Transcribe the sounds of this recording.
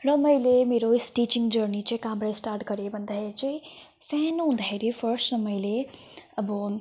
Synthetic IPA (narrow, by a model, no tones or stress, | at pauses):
ɾʌməjlemeɾosʈit͡ʃiŋɡd͡ʒəɾnit͡ʃekamɾasʈaɾʈkəɾebənd̪ʱajɾt͡ʃəi | sɛ̃nũnd̪ʱajɾipʰəɾsʈɾəməɪleəbɔ